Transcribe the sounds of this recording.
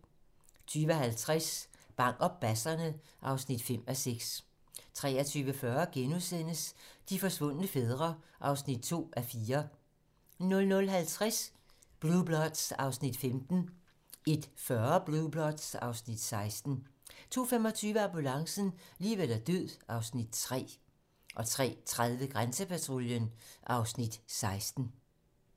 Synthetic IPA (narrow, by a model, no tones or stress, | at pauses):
t͡sʰyːʋəɦælt͡sʰʁas | b̥ɑ̈ŋ̰ɡ̥ɒ̽b̥æsɐnəʔɑ̈ʊsnid̥fem̰æseɡ̥s | t͡sʰʁɛ̰ːɐt͡sʰyːʋəfɶːɐɡ̥enuðˠsen̰əsd̥ifɒ̽sʋɔ̽n̰ənəfeð̞ˠʁɐʔɑ̈ʊsnid̥̚t͡sʰo̝̰ːʔæfiːɐ | nɔ̽lnɔ̽lɦælt͡sʰʁas | b̥lub̥lɒd̥sɑ̈ʊsnid̥femd̥n̩ | e̝d̥fɶɐb̥lub̥lɒd̥sɑ̈ʊsnid̥sɑ̈ɪsd̥n̩t͡sʰo̝̰ːfem̰ɒ̽t͡sʰyːʋəɑmbulɑ̈ŋsn̩liːʋel̰æɐd̥øð̰ˠɑ̈ʊsnid̥̚t͡sʰʁɛ̰ː | ʔɒ̽t͡sʰʁɛ̰ːt͡sʰʁað̞ˠʋəɡ̥ʁansəpʰæt͡sʰʁoljənʔɑ̈ʊsnid̥sɑ̈ɪsd̥n̩